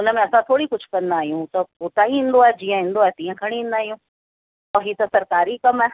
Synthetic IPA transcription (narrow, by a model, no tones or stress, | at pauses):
ʊnə̆mẽɐsãt̪ʰoːɽikʊd͡ʑʱʊkɐ̃nd̪aːɦijũt̪ɐpoːt̪aːĩɦĩːn̆d̪oaːɦed͡ʑiːə̃ɦĩːnd̪oaːɦet̪ĩːə̃kʰɐɽ̃ĩɦĩːnd̪aːɦijũ | ɔɦit̪ɐsɐɾkaːɾikɐmaː